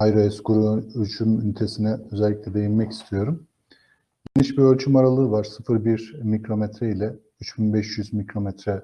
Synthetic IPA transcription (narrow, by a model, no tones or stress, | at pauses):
ajɾoɛskuɾuyt͡ʃʰymynt̪ʰesinɛøzɛlʲːicʲlʲɛd̪e̞jinmɛci̥st̪ʰijo̞ɾum | ɟ̥e̞niʃbiɾølʲt͡ʃʰymaɾalˠɯːvaɾsɯfɯɾbiɾmicɾo̞mɛt̪ʰɾɛilʲɛ | yt͡ʃbinbɛʃjyzmicɾo̞mɛt̪ɾɛ